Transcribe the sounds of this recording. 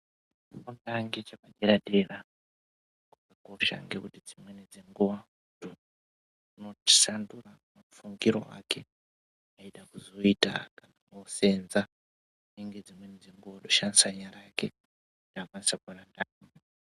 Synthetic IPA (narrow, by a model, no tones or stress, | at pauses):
akundaŋɡet͡ʃakaɗeɾaɗera | kukako̞ʃa̰ŋɡe̞kutid͡zimwenid͡zeŋɡuʋa | do | unoti̥sanduramamfuŋɡiɾo̞̰a̰ke̞ | aiɗakuzo̞ita̰kanaose̞nza | neŋɡe̞d͡zimwenid͡ze̞ŋɡuʋaɗoʃanisaɲaɾaake | naːkwanisakurandao